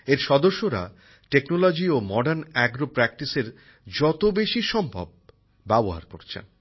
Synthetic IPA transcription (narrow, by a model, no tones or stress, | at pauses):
eɾʃɔd̪oɾʃːoɾa̰ | ʈeknolod͡ʑiomɔɖaɾnɛɡɾopɾɛk̚ʈiseɾ | d͡ʑɔt̪obeʃiʃɔmbʱa̰b̚ | bɛboɦa̰ɾko̰ɾt͡ɕʰḛn